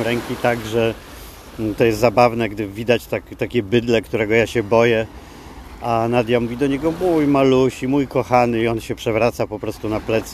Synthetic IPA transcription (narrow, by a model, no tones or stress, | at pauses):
ɾɛŋkʲit̪aɡʐɛ | t̪ɔjɛst̪zabavnɛɡd̪ɘvʲid̪at͡ɕt̪akt̪akʲɛbɘd̪lɛkt̪uɾɛɡɔjaɕɛbɔjɛ | anad̪ʲjamuvʲid̪ɔɲɛɡɔmujmaluɕimujkɔxanɘiɔnɕɛpʂɛvɾat̪sapɔpɾɔst̪unaplɛt̪s